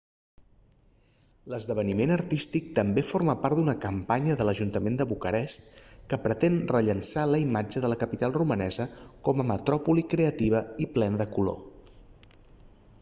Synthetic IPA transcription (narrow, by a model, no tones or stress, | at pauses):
ləzðəβ̞ənimenəɾt̪ist̪ik̚t̪əmbeforməpaɾt̪d̪unəkəmpaɲəðələʒunt̪əmend̪əβukəɾɛst̪kəpɾət̪enrəʎənsaləimad͡ʒəðələkəpit̪alˠrumənɛzəkɔməmət̪ɾɔpulikɾeət̪iβ̞əiplɛnəðəkulo̰